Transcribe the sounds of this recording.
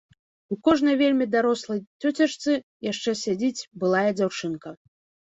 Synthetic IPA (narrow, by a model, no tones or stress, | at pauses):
ukɔʐnɐjvʲelʲmʲid̪aɾɔslˠɐjt͡sʲɔt͡sʲaʂt̪sɨ | jaʂt͡ʂɛsʲad͡zʲit͡sʲbɨlˠajɐd͡zʲawt͡ʂɨnkɐ